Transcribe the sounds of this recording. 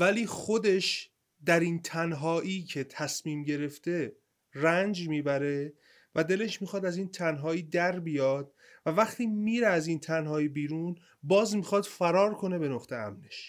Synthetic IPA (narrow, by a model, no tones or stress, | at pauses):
væliːxo̞d̪e̞ʃ | d̪æɾiːnt̪ʰænɦɒːʔiːcʰe̞t̪ʰæsmiːmɟe̞ɾe̞ft̪e̞ | rænd͡ʒmiːbæɾe̞ | væd̪e̞le̞ʃmixɒːd̪æziːnt̪ʰænɦɒːiːd̪æɾbijɒːd̪̥̚ | vævæχt̪ʰiːmiːɾeæziːnt̪ʰænɦɒːibiːɾuːn | bɒːzmixɒd̪̥fæɾɒːɾkʰo̞ne̞be̞noχt̪ʰe̞æ̰mne̞ʃ